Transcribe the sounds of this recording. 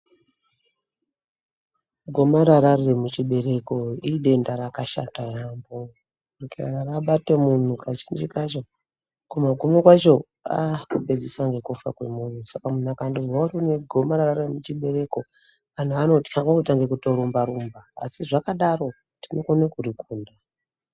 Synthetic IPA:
ɡʱo̞maɾaɾarremut͡ʃiɓe̞ɾe̞ko̞iɗe̞ndaɾakaʃa̰tajaːmbo | rikararaɓate̞mun̤ukat͡ʃind͡ʒikat͡ʃo | kumaɡʱomekwat͡ʃo̞ | akuped͡zisaŋɡe̞kufa̰kwe̞mun̤usakamunakandiwaruneɡʱomaɾararemut͡ʃiɓe̞ɾe̞ko | an̤uano̞ti̥aŋɡakutaŋɡe̞kuto̞ɾumbaɾumba̰ːsiʐakaɗaro̞ | tino̞konekurikuːnda

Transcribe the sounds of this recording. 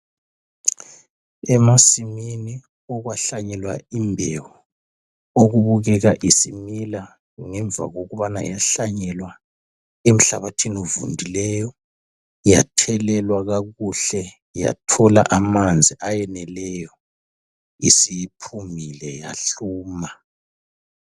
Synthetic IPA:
ɛmasimini | ɔɣwaɬaɲɛlwa̰imbʱɛwɔ | oɣuβuɣɛɣaʔisimila | ŋɛɱva̰ɣoɣuβana̰jaɬaɲɛlwa | em̩ɬaβatʰinɔvṵndʱilɛjɔ | ja̰tʰɛlɛlwaɣaɣuɬɛ | ja̰tʰɔla̰ʔamand͡zʱiʔajɛnɛlɛjɔ | isipʰumilɛja̰ɬuːma

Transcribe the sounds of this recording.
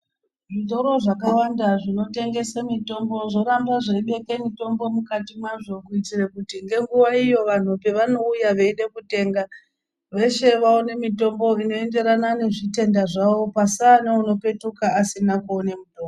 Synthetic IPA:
ʐitoɾo̞ʐak̬awandaʐino̞te̞ŋɡe̞samito̞mbo̞ʐo̞ɾamraʐeiɓe̞kemito̞mbo̞mukatimwaʐo̞kuitirekutiŋɡe̞ŋɡuʋaijo̞ʋan̤upe̞ʋano̞ujaʋeiɗe̞kute̞ːŋɡa | ʋe̞ʃe̞ʋaone̞mito̞mbo̞ino̞e̞nde̞ɾanane̞ʐite̞ndaʐaʋo̞pasanauno̞pe̞tukaːsinakuːne̞muto̞ːmbo

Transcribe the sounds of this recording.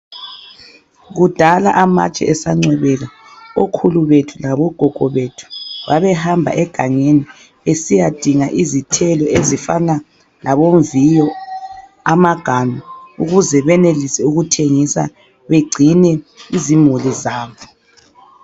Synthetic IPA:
ɣud̥ʱala̰ʔama̰t͡ʃʼɛ̰ʔɛsaŋ͡ǀwɛβɛɣa | okʰuluβetʰulaβɔɡ̥ʱɔɡ̥ʱɔβetʰu̥βaβɛhambʱa̰ʔɛɡ̥ʱaŋeni | esijad̥ʱiŋaʔizitʰɛlɔezifa̰na | lʔaβoɱvijɔ | amaɡ̥ʱanuuɣuzɛβɛnelisɛuɣutʰeŋisa̰ | βeɡ͡ǀʱinɛizimulizaːβɔ

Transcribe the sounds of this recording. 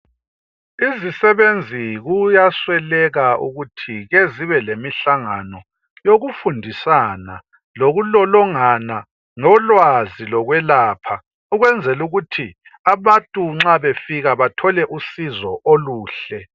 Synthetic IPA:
izisɛβend͡zʱiɣujaswɛlɛɣaṵɣutʰiɣeziβɛlemiɬaŋa̰nɔ | joɣufundʱisana̰ | loɣulɔlɔŋana | ŋɔlwazilɔɣwɛlaːpʰa | uɣwɛnd͡zʱɛluɣutʰi | aβatʼuŋ͡ǁaβefiɣaβatʰɔlɛʔusizɔʔoluːɬɛ

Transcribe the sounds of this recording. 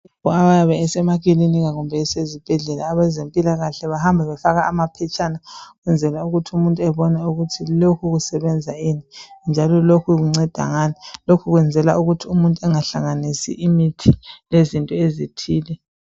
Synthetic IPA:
ɔaβajaβɛːsɛmaɣiliniɣaɣumbʱɛːsezib̥ʱɛɮɛlaːβɛzempʼilaɣaɬɛβahambʱaβɛfaɣaʔamapʰɛt͡ʃʰʼanaɣwɛnd͡zʱɛlauɣutʰiumuntʼuɛβɔnɛuɣutʰilokʰuɣusɛβɛnd͡zʱainind͡ʒʱalɔlokʰuɣuŋ͡ǀɛd̥ʱa̰ŋanilokʰuɣwɛnd͡zʱɛla̰ʔuɣutʰiumuntʼuɛŋaɬaŋanisḭʔimitʰilezintʼɔezitʰiːlɛ

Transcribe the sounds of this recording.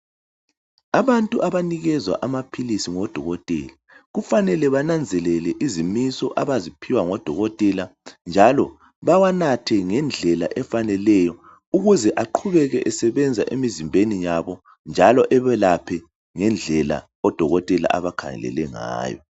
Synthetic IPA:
aβantʼuʔaβaniɣɛzwa̰ʔamapʰilisiŋɔd̥ʱɔɣɔtʼɛ̰ːla | ɣufanɛlɛβanand͡zʱɛlɛlɛʔizimisɔʔaβazipʰiwaŋɔd̥ʱɔɣɔtʼɛland͡ʒʱalɔ | βawanatʰɛŋɛnd͡ɮʱɛla̰ʔɛfanɛlɛjɔ | uɣuzɛʔaǃʰuβɛɣɛʔɛsɛβɛnd͡zʱaʔemizimbʱenijaβɔ | nd͡ʒʱalɔʔɛβɛlapʰɛ | ŋɛnd͡ɮʱɛla̰ | ɔd̥ʱɔɣɔtʼɛla̰ʔaβakʰa̰ŋɛ̰lɛ̰lɛŋa̰ːjɔ̰

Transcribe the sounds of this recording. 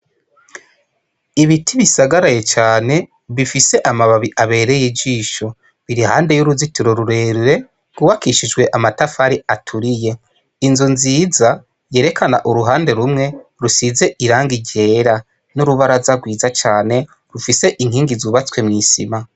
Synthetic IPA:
iβitʰiβisaɡaɾaje̞t͡ʃaːne̞ | βifise̞ʔamaβaβiʔaβe̞ːɾejid͡ʒiːʃo̞ | βiɾihaːnde̞juɾuzitiɾo̞ɾuɾe̞ːɾuɾe̞ | ɡuwakiʃid͡ʒɡwe̞ʔamatafaɾiatʰuɾije̞ | inzunziːza | je̞ːɾe̞kʰanaʔuɾuɦaːnde̞ɾumŋe̞ɾusize̞ʔiɾaːŋɡiɟe̞ːɾa | nuɾuβaɾazaɡwiːzat͡ʃaːne̞ | ɾufise̞ʔiŋ̥hiːŋɡizuβat͡swe̞mŋiːsḭma

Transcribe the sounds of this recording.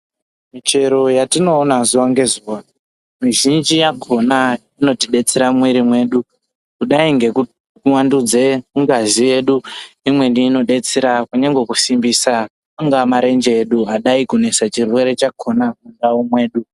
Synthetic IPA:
mit͡ʃe̞ɾo̞jatino̞ːnazuwaŋɡe̞zuwa | miʒind͡ʒijakʰo̞na | ino̞tiɗe̞t͡seɾamwiɾimwe̞ːɗu | kuɗaiŋɡe̞ku | kuwandud͡ze̞muŋɡazije̞ɗuimwendiːno̞ɗe̞t͡seɾakuɲaŋɡwekusimbiːsa | aŋɡamaɾe̞nd͡ʒe̞eɗuaɗaikune̞sat͡ʃirwe̞ɾe̞t͡ʃakʰo̞nakundaumwe̞ːɗu

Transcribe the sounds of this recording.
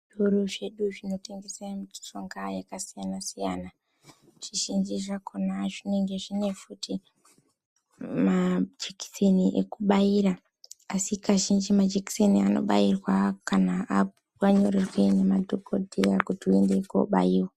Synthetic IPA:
uɾuʐe̞ɗuʐino̞te̞ŋɡesemuti̥t͡ʃoŋɡajakasijanasijana | ʐ̥iʒind͡ʒiʐakʰonaʐine̞ŋɡe̞ʐine̞futi | mad͡ʒeki̥seniʔekuɓaiɾaː | sikaʒind͡ʒimad͡ʒeki̥seniano̞̰ɓairwakanaa | waɲo̞rerwenemadʱokodʱejakutiue̞ndeko̰ɓa̰jiwa

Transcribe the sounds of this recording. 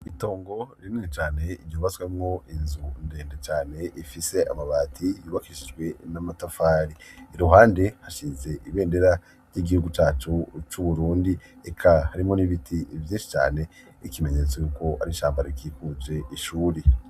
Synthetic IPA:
ito̞ːŋɡo̞ɾiimŋet͡ʃaːne̞iɾɟoːβaswemŋo̞inzunde̞ːndet͡ʃaːne̞ʔifise̞a̰maβaːtʰijuːβakiʃid͡ʒɡwe̞namatafaːɾiɾuɦaːnde̞haʃize̞ʔiβe̞ːnde̞ɾa | ɾɟiɡihuɡut͡ʃaːt͡ʃut͡ʃuβuɾuːndiekʰahaɾimŋo̞niβitʰivjiːnʃi̥t͡ʃa̰ːne̞ | ikime̞ɲet͡sojuko̞a̰ɾiʃaːmbaɾikikuze̞ʔiʃuːɾe

